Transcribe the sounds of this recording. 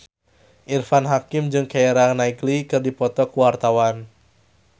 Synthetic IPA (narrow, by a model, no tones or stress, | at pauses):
ʔirfanɦakɪmd͡ʒɨŋkaeɾaŋnaiɡlikɨrdipɔt̪ɔkuwart̪awan